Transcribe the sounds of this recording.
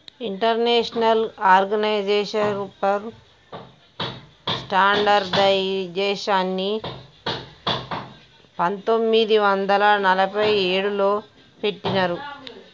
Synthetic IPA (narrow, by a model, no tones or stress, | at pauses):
iɳʈɐɾneːʂɐnɐlaːɾɡɐnɐjd͡ʒeːʂɐɾupɐm | sʈaːɳɖɐɾd̪ɐjd͡ʒɛːʂaːnːi | pɐnt̪o̞mːid̪iʋɐnd̪ɐlɐnɐlɐpɐjeːɽulo̞ː | pe̞ʈːinɐɾu